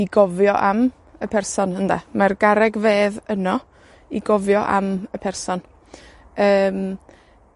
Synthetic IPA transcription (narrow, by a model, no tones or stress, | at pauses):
iɡɔvjɔʔam | əpʰɛrsɔnhənda̰marɡaɾɛɡveːðənɔ | iɡɔvjɔʔa̰məpʰɛrsɔn | əːm